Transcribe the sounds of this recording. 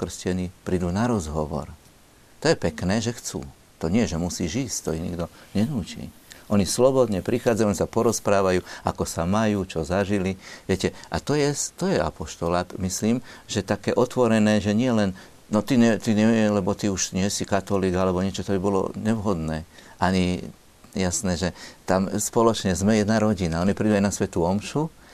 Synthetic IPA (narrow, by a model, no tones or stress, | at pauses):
kr̩scɛnipɾid̪uːnaɾɔzɦɔʋɔ̰ɾ | t̪ɔjɛpɛknɛːʒɛxt͡sṵː | t̪ɔɲɪɛʒɛmusiːʒisct̪ɔiɲḭɡd̪ɔɲɛnuːcḭːʔɔɲislɔbɔd̪ɲɛpɾixaːd͡zajuɔnisapɔɾɔspɾaːʋajuːa̰kɔsamajuːt͡ʃɔzaʒiliʋɪɛcɛʔat̪ɔjɛst̪ɔjɛa̰pɔʃt̪ɔlamisliːmʒɛt̪akɛːʔɔt̪ʋɔɾɛnɛːʒɛɲɪɛlɛn | nɔt̪iɲɛt̪iɲɛlɛbɔt̪iuʃɲɪɛsikat̪ɔliːɡalɛbɔɲɪɛt͡ʃɔt̪ɔbibɔlɔ̰ɲɛʋɦɔd̪nɛːʔaɲi | jasnɛːʒɛt̪amspɔlɔt͡ʃɲɛzmɛjɛd̪naɾɔɟinaɔnipɾid̪uajnasʋɛt̪uɔmʃu